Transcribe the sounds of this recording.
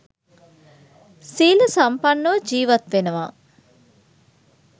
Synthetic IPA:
siːləsampɐnːəʋəd͡ʒiːʋɐt̪ʋenəʋaː

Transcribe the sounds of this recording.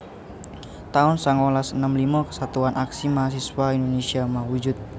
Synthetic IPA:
t̪aʊnsaŋolasənamlimakə̥sat̪uanaksimaas̬iswaindonesiamawud͡ʒʊt̪̚

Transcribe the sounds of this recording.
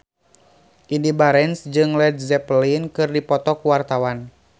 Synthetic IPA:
ʔindibaɾɛnsd͡ʒɨŋlɛd̪̚zɛplinkɨrdipɔt̪ɔkuwart̪awan

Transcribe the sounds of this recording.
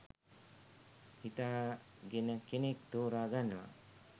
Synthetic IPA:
hit̪aːɡenəkenek̚t̪oːɾaːɡanːuʋa̰

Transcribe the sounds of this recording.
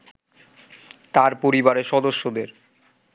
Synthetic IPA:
t̪aɾpoɾibaɾeʃɔd̪oʃːod̪eɾ

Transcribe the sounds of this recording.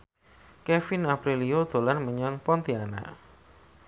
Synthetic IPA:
kɛfinapɾiliod̪̥o̤lanməɲɔŋpɔnt̪iana̰

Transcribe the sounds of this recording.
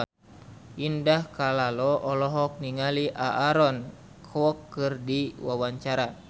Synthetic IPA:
ʔindahkalalɔʔɔlɔɦɔk̚niŋaliʔaʔaɾɔn | kʰɔkːɨrdiwawaɲt͡ʃaɾa

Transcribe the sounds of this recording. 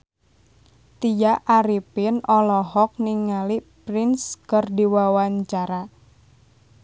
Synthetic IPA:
t̪ijaʔaɾipɪnɔlɔɦɔk̚niŋalipɾɪnskərdiwawaɲt͡ʃaɾa

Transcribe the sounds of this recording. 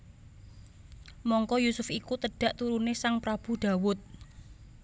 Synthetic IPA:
mɔŋkɔjusʊfikut̪əɖ̥a̤ʔt̪uɾunesaŋpɾab̥ṳɖ̪̥a̤wʊt̪̚

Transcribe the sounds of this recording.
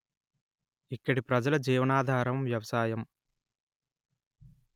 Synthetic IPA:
ikːɐɽipɾɐd͡ʒɐlɐd͡ʒiːʋɐnaːd̪ʱaːɾɐmʋjɐʋɐsaːjɐm

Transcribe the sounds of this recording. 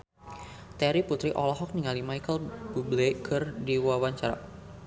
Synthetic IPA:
t̪ɛɾiput̪ɾiʔɔlɔɦɔk̚niŋalimajkəlbublekʰɨrdiwawaɲt͡ʃaɾa̰

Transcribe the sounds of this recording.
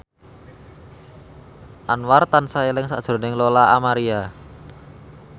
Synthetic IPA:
ʔanwart̪ansaelɪŋsa̰ʔd̥ʒ̥ɾo̤nɪŋlolaamaɾia

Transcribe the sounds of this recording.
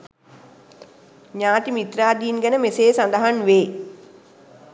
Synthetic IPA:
ɲaːt̪imit̪ɾaːd̪iːnɡənəmeseːsand̪əɦanʋeː

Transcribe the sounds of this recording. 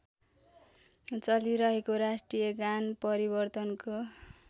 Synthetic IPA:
t͡sʌliɾʌɦekoɾasʈrijʌɡanpʌɾibʌrt̪ʌnko

